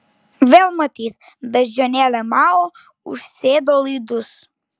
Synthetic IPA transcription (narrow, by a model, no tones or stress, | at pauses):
vɛlˠmɐt̪ið | ðɐʒɐnɛlɐmao | ṵɾsed̪olˠid̪us